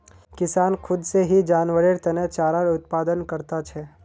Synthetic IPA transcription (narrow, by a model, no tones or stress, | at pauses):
kɪsaːnkʰʊd̪seɦid͡ʒaːnʋəɽeɾt̪ɛnet͡ʃaːɾaɾʊt̪̚paːd̪ənkɐɾt̪at͡ʃʰɛː